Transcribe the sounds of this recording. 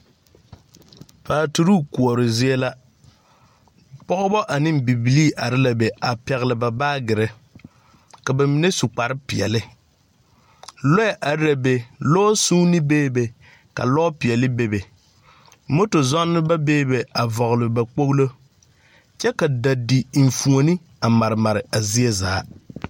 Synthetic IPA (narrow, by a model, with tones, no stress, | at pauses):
paː˨tu˨ɾu˦˨ku˨ɔ˨ɾɪ˨zɪ˦ɛ˦la˦ | pɔ˦ɣʊ˦bɔ˦ʔa˨nɪ˦mbi˨bi˨li˦ʔa˨ɾɪ˦la˨be˨a˨pɛ˨ɣɪ˨lɪ˨ba˨baː˦ɡɪ˨ɾɪ˦ | ka˨ba˨mi˨ne˦sʊ˨k͡pa˨ɾɪ˦pɪ˨ɛ̰˨lɪ˦ | lɔ˦ɛ˨ʔa˨ɾɾa˨be˨loː˦suː˦nɪ˦beː˦be˨ | ka̰˨lɔ˦pi˨ɛ˨lɪ˦be˨be˨ | mo˦to˨zɔ˦nːɨ˦ba˦beː˦be˨a˨vɔ˨ɣʊ˨lɨ˨ba˨k͡po˦ɣlo˦ | t͡ʃɛ˦ka˨da˨di˨ɱ̩˨fu˨o˨ni˦ | a˨ma˨ɾɨ˨ma˨ɾɪ˨a˨zi˦e˦zaː˨˦